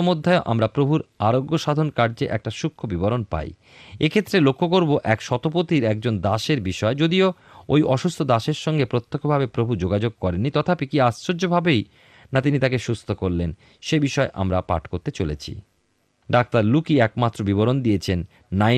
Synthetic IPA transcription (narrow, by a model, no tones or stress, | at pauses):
omod̪ʱːaeoʔa̰mɾapɾobʱuɾaɾoɡːoʃad̪ʱonkaɾd͡ʑeʔɛ̰k̚ʈaʃukʰːobiboɾonpa̰j | ekʰet̪ːɾelokʰːok̬oɾboʔɛkʃɔt̪op̬ot̪iɾɛk̚d͡ʑond̪aʃeɾbiʃɔed͡ʑod̪io | ojʔɔʃust̪ʰod̪aʃeɾʃɔŋɡepɾot̪ːokʰobʱabepɾobʱud͡ʑoɡad͡ʑoɡ̚kɔɾenːit̪ɔt̪ʰapekiasɾod͡ʑobʱabej | nat̪̬init̪akeʃust̪ʰokoɾlen | ʃebiʃɔeʔa̰mɾapa̰ʈʰkoɾt̪et͡ɕolḛt͡ɕʰḭ | ɖak̚t̪aɾlukiɛkmat̪ːɾobiboɾond̪ijet͡ɕʰenː | a